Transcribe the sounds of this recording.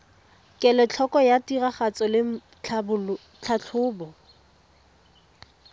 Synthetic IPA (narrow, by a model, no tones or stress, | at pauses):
kʼɛlɛt͡ɬʰɔkɔjatiraχat͡sɔlɪ | t͡ɬʰabʊ | t͡ɬʰat͡ɬʰʊːbɔ